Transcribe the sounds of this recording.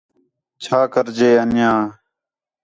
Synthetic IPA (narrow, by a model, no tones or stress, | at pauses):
t͡ʃʰaːkəɾd͡ʒeːənɪjãː